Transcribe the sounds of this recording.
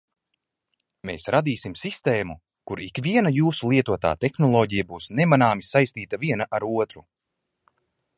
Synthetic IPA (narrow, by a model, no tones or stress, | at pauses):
mḛːsɾad̪iːsimsist̪eːmu | kuɾikvʲiɛnajuːsulˠiɛt̪uɔt̪a̰ːt̪ɛxnɔlˠɔːɟijabuːsnɛmanaːmisajsʲt̪iːt̪aviɛnaʔaɾuɔt̪ɾu